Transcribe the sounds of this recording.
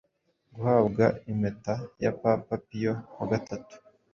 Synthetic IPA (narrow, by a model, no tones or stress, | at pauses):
ɡuhaβɡaimetaja̰papapijoaɡatatu̥